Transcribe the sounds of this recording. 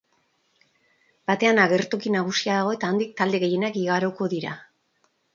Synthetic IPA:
b̥at̪e̞anaɣ̞e̞ɾt̪okinaɣ̞usiaðaɣo̞e̞t̪aːnd̪ik̚t̪ald̪e̞ɣe̞je̞nakiɣaɾoko̞ðiɾa̰

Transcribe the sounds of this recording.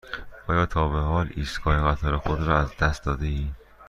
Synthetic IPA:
ʔɒːjɒːt̪ʰɒːbehɒːliːsɡʰɒːjeɣæt̪ʰɒːɾexod̪ɾɒːæzd̪æst̪̚d̪ɒːd̪eiː

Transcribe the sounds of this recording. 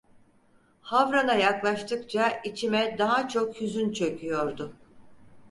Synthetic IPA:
havɾanajaklˠaʃt̪ʰɯkt͡ʃʰait͡ʃʰimɛd̪aɦat͡ʃʰo̞khyzynt͡ʃʰø̞kʰʲyjo̞ɾd̪ʊ

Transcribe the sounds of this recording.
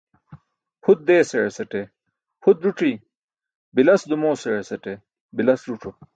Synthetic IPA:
hud̪̚ːeːseɻesɐʈe | hud̪ɾuʈ͡ʂiː | bilɐsd̪umoːseɻesɐʈe | bilɐsɾuʈ͡ʂʰo

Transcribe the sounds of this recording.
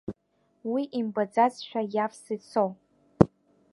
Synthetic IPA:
wiʔimbad͡zazʃᶣajafsɨt͡sʰow

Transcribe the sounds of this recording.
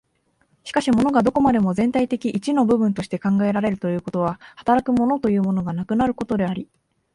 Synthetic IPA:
ɕi̥kaɕimo̞no̞ɡad̪o̞ko̞mad̪e̞mo̞zẽ̞nt̪ait̪e̞kʲiʔit͡ɕino̞bɯ̟bɯ̟̃nt̪o̞ɕi̥t̪e̞kãŋɡae̞ɾaɾe̞ɾɯ̟t̪o̞jɯ̟ːko̞t̪o̞β̞ahḁt̪aɾakɯ̟mo̞no̞t̪o̞jɯ̟ːmo̞no̞ɡanakɯ̟naɾɯ̟ko̞t̪o̞d̪e̞aɾʲi

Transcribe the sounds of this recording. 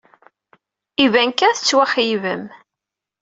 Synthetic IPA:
ivænkæθət͡sːwæχjivəm

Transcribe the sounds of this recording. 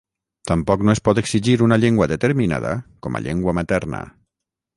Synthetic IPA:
t̪ampɔknoespɔt̪eksiʒiɾunaʎeŋɡwaðet̪eɾmina̰ða̰kɔma̰ʎḛŋɡwamat̪ɛɾna̰

